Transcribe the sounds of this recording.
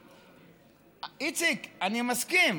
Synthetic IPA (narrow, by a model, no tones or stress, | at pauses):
it͡sikanimaskim